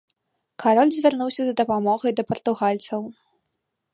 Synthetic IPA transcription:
kaɾɔlʲzʲvʲarnuwsʲɐd̪ɐd̪ɐpamɔɣɐjd̪ɐpɐrt̪uɣalʲt̪sɐw

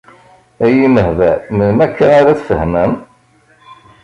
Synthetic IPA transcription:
æjiməhvæmənmækːænaɾat͡sfəhmæm

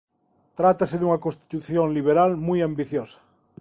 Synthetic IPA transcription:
t̪ɾat̪aseðuŋɐkõnst̪i̥t̪uθjoŋliβ̞eɾalmujambiθjosɐ̥

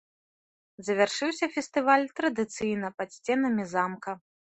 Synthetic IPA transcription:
zɐvʲarʂɨwsʲɐfʲɛst̪ɨvalʲt̪ɾɐd̪ɨt̪sɨjnɐpɐt̪sʲt͡sʲɛn̪ɐmʲizamkɐ

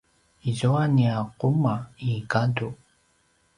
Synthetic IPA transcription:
izuaniaqumaiɡadu

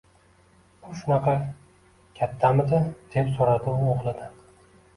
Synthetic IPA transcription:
ʊʃʊnɑqʰɑ | kʲʰat̪ʰːamɪd̪ɪd̪̥e̞psoɾad̪ɪoʁlˠɪd̪ɪ

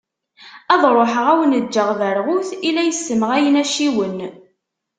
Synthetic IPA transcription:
æðˤɾˤoħəʁæwənəd͡ʒːəʁðəɾʁʊθilæjəsːəməʁæjənæʃiwən

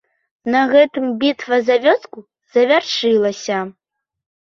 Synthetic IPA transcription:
nɐɣɛt̪ɨmbʲit̪vɐzavʲɔsku | zɐvʲarʂɨlˠɐsʲɐ

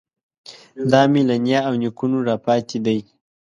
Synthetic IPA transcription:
d̪ɑmilanjɑawnikunuɾɑpɑt̪ʰed̪aj

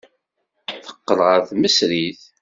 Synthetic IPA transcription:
θə̥qːəlʁəɾθməsɾiθ

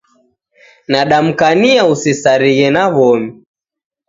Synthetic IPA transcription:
naɗam̩kaniausisaɾiɣɛnaβɔmi

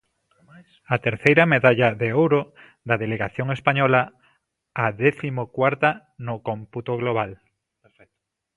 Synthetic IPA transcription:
at̪eɾθejɾameðaʎaðeowɾo | d̪aðeleɣaθjoŋespaɲɔlaː | ðeθimokwaɾt̪a | nokomput̪oɣloβ̞al

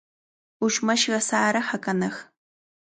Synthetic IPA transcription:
uʃmɐʃɣɐsaːɾɐħɐkʼɐnɐx

